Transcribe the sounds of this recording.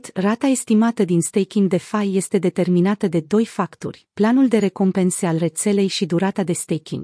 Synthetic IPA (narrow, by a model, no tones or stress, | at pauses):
t̪rat̪ae̞st̪imat̪əd̪inst̪ejkʲiŋɡd̪e̞fajːe̞st̪e̞d̪e̞t̪e̞rminat̪əd̪e̞d̪o̞jfakt̪o̰rʲplanuld̪e̞ɾe̞ko̞mpe̞nsealre̞t̪se̞le̞jʃid̪uɾat̪ad̪e̞st̪ejkʲḭŋɡ